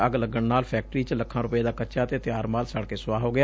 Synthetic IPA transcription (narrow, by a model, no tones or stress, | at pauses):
əɡləɡəɳnaːlpʰɛːk̚ʈɾiːt͡ʃləkʰːãːɾʊpeːd̪aːkəːt͡ʃaːət̪eːt̪ɪjaːɾmaːlsəɽkeːsʊʋaːɦoːɡɪaː